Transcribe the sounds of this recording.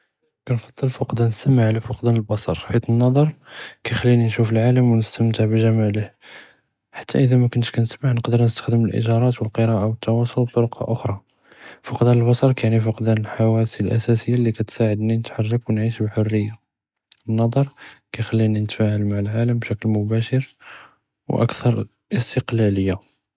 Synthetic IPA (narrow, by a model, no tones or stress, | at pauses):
kænfɑd̪ˤːəlfɑqd̪ænəst̪əmaʕlæfʊqd̪ænəlbɑsˤɑ̰ɾˤħit̪ənːɑd̪ˤɑɾˤkæjxælːininʃufəlʕaləmwnəst̪əmt̪əʕbʒæmæləh | ħḁt̪ʰːæ̰ʔəd̪æmækʊnʃkænəsmaʕnəqd̪əɾnəst̪ə̥xd̪əməlʔḭʒɑɾˤɑt̪wəlqəɾɑʔawət̪ʰːɑwɑsˤolb̚t̪ˤoɾqʰɑ̰ʔʊxɾˤɑ | fɑqd̪æɾəlbɑsɑɾˤkæʕnifɑqd̪ænəlħawæsilʔæ̰sæsəjːalːikæt̪saʕəd̪ninət̪ħɑrˤːɑkwnʕiʃbħʊrːəjːa | nːɑd̪ˤɑɾˤkæjxælːininət̪fæhəlmaʕəlʕaləmbʃæklmʊbæʃəɾ | wʔə̰kt̪ɑɾˤ | ʔəst̪əqlæləjːa